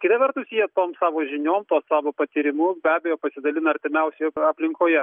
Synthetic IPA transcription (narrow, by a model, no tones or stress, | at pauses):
kʲɪt̪ɐʋʲɛɾt̪ʊsjijɛt̪oːmsɑːʋoːʒʲɪnʲoːmt̪oːssɑːʋoːpɐt̪ʲiɾʲɪmuːbʲæːbʲɛjoːpɐsʲɪd̪ɐlʲɪnɐɾʲt̪ʲɪmʲɛʊsʲɛɐpʲlʲɪŋkoːjɛ